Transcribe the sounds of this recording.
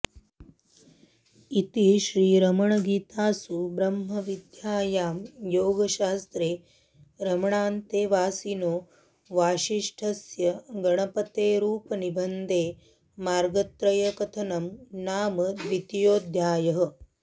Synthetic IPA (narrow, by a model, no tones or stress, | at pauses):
it̪iʃɾiːɾɐmɐɳɐɡiːt̪aːsubɾɐmɦɐʋid̪jaːjaːmjoːɡɐʃaːst̪ɾeː | ɾɐmɐɳaːnt̪eːʋaːsinoː | ʋaːʃiʂʈʰɐsjɐɡɐɳɐpɐt̪eːɾuːpɐnibɐnd̪ʱeː | maːɾɡɐt̪ɾɐjɐkɐt̪ʰɐnɐmnaːmɐʋit̪joːd̪ʱjaːjɐɦɐ̆